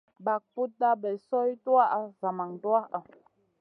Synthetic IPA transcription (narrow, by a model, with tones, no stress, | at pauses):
ba˨k̚pu˦t̚da˦bɛ˨sɔ˦i˦tu˦a˦ʔa˦za˨ma˨ŋta˦a˨